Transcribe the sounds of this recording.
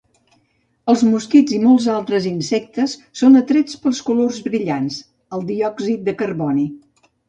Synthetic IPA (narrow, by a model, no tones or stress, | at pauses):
əlˠzmuskid͡zimɔlˠzalˠt̪ɾəzinsɛk̚t̪əsːonət̪ɾet͡spəlˠskulorzβɾiʎans | əlˠd̪iɔɡzit̪̚d̪əkərβɔni